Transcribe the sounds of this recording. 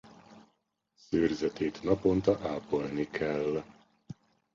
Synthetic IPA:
søːrzɛt̪eːt̪nɒpo̞nt̪ɒʔaːpolnikʰɛlː

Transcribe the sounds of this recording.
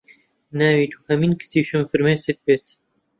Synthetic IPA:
næwiːt̪ʰuːhɐmiːnkʰɨ̥siːʃɨmfɨɾmeːsɨk̪̚beːt̪

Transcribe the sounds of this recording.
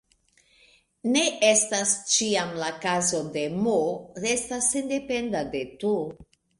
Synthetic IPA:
ne̞ʔestast͡ʃiamlakazo̞de̞moɾe̞stasːende̞pe̞ndade̞tu

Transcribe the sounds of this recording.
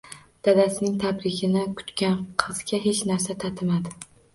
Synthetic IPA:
d̪̥ad̪asɪnɪŋt̪ʰabɾɪɡʲɪnɪkʰʊ̥t̪kʲanqʰɨzɡʲaɦe̞t͡ʃnaɾsat̪ʰat̪ʰɪmad̪ɪ

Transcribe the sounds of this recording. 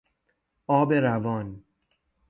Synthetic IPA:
ɒːbeɾævɒːn

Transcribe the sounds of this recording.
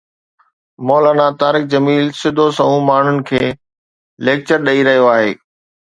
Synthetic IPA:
mɔːlaːnat̪aːɾɪk̚d͡ʑɐmiːlsɪd̪ʱosɐɦũmaːɳ̤ʊnɪ̆kʰeː | leːk̚t͡ɕəɾɗɐiɾɐɦijoaːɦeː

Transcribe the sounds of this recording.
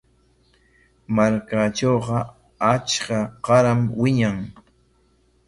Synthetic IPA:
maɾkaʈ͡ʂowqɑ | at͡ʃkaqɑɾamwɪɲaŋ

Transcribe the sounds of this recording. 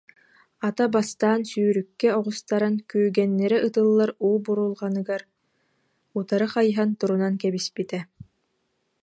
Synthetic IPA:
at̪abast̪aːnsyːɾykːɛɔʁust̪aɾankyːɡɛnːɛɾɛʔɯt̪ɯlˠːaɾuːbuɾulˠʁanɯɡaɾ | ut̪aɾɯχajɦant̪uɾunankɛbispit̪ɛ

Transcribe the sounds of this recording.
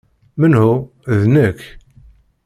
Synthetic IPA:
mənhu | ðnəkː

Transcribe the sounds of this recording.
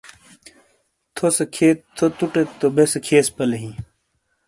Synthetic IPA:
t̪ʰosɐkʰeːt̪t̪ʰːot̪uʈet̪obeskʰeːspɐleɦĩ

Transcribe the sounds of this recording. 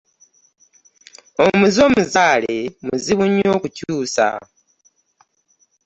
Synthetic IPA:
omuzo̞ːmuzaːle̞muziβuɲːo̞ːkucuːsa̰

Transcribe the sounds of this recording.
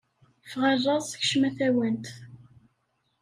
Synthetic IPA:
fʁərˤːɑsˤçʃmæθæwənt̪

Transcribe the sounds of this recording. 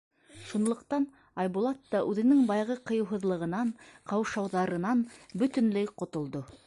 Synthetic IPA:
ʃunlˠŏqt̪ɑn | ɑjbulˠɑt̪ːɑʔʉðɘ̆nɘŋbɑjʁɤqɤ̆jɤ̆wɦɤ̆ðlˠɤ̆ʁɤ̆nɑɴqʰɑwʃɑwðɑɾɤ̆nɑnbɵ̆t̪ɘ̆nlæjqŏt̪ŏlˠd̪o

